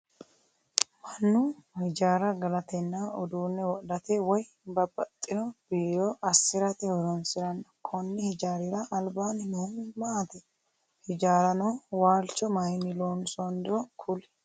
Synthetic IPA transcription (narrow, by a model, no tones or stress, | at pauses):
mɐnːʊhɪd͡ʒaːɾɐɡɐlɐt̪ɛnːaɔd̪uːnːɛwɔʔlɐt̪ɛwɔj | bɐbɐt̪ʼːɪnɔb̥iːɾɔʔɐsːɪɾɐt̪ɪhɔɾɔnsɪɾɐnːɐkʰɔnːɪhɪd͡ʒaːɾɪɾɐʔɐlbaːnɪmɔmaːt̪ɛ | hɪd͡ʒaːɾɐnɔwaːlt͡ʃːɔmɐjnɪloːnsɔnd̪ɔkʰʊlɛ̥